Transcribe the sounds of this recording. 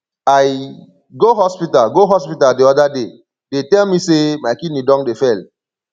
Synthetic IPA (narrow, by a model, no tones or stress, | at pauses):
aj | ɡoɦɔspitalɡoɦɔspitadiɔdade | detɛlmisemaɪkidnidɔ̃ŋdefɛl